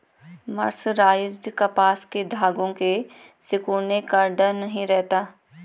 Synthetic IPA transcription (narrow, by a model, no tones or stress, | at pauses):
mɐ̰ɾsɾaːjɪd͡ʒd͡ʒkɐpaːsked̪ʱaːɡõke | sɪkuːnekaɖɐnɐɦĩɾɛɦt̪aː